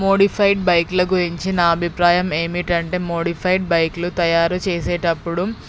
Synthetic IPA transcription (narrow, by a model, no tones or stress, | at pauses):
mo̞ːɽipʰɐjʈ̚bɐjklɐɡuɾiɲt͡ʃinɐɐbʱipɾaːjɐme̞ːmiʈɐɳʈe̞ːmo̞ːɽipʰɐjɖ̚bɐjklut̪ɐjaːɾut͡ʃeːseːʈɐpːuɽu